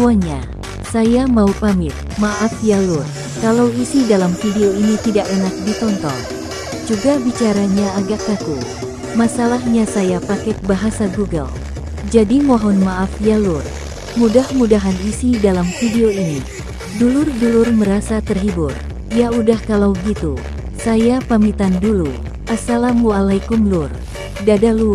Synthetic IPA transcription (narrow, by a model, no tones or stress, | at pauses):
aɲa | sajamaupamɪt̪̚ | maʔafjalur | kalawisidalamfideoinit̪idaʔenak̚dit̪ɔnt̪ɔ̰ŋ | d͡ʒuɡabit͡ʃaɾaɲaːɡaʔːat̪u | masalahɲasajapakɛk̪̚baɦasaɡuɡə̰l | d͡ʒadiŋɔɦɔnmaʔafjalur | mudahmudaɦanisidalamfideoini | dulʊrdulʊrməɾasat̪ərɦibur | jaudahkalawɡit̪u | sajapamit̪andulu | ʔasalamualajkumlur | dadalu